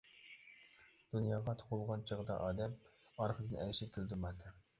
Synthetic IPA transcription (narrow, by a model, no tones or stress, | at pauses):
d̪̥unjɑːʁɑt̪ʰo̥qʰʊlˠʁɑnt͡ʃʰəʁəd̪ɑ̰ʔɑːd̪ɛm | ɑɾqʰəd̪ɨnɛjʃɪp̚kʲʰeld̪ɪmɑt̪ʰːɨ